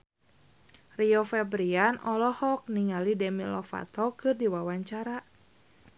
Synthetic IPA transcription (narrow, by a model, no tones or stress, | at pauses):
riɔfɛbɾianʔɔlɔhɔk̚niŋalidɛmilɔfa̰t̪ɔkɨrdiwawaɲt͡ʃaɾa